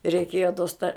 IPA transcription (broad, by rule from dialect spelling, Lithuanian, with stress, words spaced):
rʲɛɪˈkʲeːjoː toːs tɐ